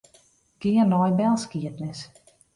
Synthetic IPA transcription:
ɡ̥ɪərnɔjbɛlˠskiətnɪs

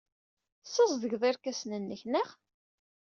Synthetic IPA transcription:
səzˤðəʝðˤɪɾkæsnənːəçnəʁ

